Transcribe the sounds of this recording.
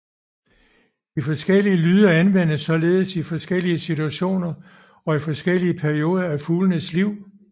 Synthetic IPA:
d̥ifɒ̽sɡ̥el̰iəlyːð̞ˠɐænʋen̰əsːɒ̽le̝ːð̞ˠsifɒ̽sɡ̥el̰iəsit͡suæɕo̝̰ːnɐ | ɒ̽ifɒ̽sɡ̥el̰iəpʰæɐʁio̝ːð̞ˠɐæfuːlənəsliʊ̰

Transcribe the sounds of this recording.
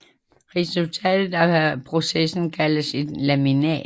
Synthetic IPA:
ʁɛsult͡sʰɛ̰ːd̥ð̩ˠæpʰʁo̝sesn̩kʰæləse̝d̥læminɛ̰

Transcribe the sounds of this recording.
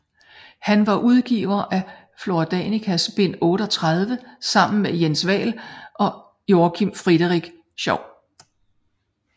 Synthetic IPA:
hænʋɑ̈ʔuð̞ˠɡ̥ḭːʊɐʔæ | flo̝d̥ɛ̰nikʰæsb̥e̝n̰ɔ̽ːɾ̥ɒt͡sʰʁað̞ˠʋəsɑ̈m̰n̩mejensʋɛ̰ːlʔɒ̽ | jo̝ːkʰimfʁid̥əʁiɡ̥ | ɕɒʊ̰

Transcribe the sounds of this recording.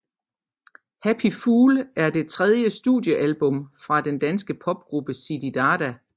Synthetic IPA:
hæpʰifuːlʔæɐd̥e̝t͡sʰʁɛð̞ˠjəsd̥ṵːðˠjəʔælb̥ɔ̽mfʁɑ̈d̥end̥ænsɡ̥əpʰɒ̽b̥̚ɡ̥ʁub̥əsid̥id̥ɑːd̥æ

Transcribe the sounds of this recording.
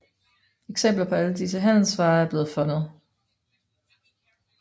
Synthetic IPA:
eɡ̥sem̰b̥lɐpʰɒ̽æləd̥is̬əɦæn̰l̩sʋɑ̈ːæɐb̥le̝ːð̞̩ˠfɔ̽nəð̞̩ˠ

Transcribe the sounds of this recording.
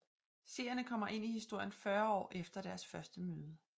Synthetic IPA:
se̝̰ɐ̰jɐnəkʰɒ̽m̰ɐʔe̝n̰ihisd̥o̝ɐ̰jənfɶɐɒ̰ːʔefd̥ɐd̥æɐsfɶɐsd̥əmøːðˠə

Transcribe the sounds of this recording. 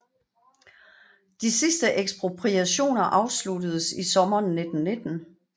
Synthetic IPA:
d̥isisd̥əʔeɡ̥sb̥ʁo̝pʰʁiæɕo̝̰ːnɐʔɑ̈ʊsludəð̞̩ˠəsisɒ̽mɐːnːe̝d̥n̩ne̝d̥n̩

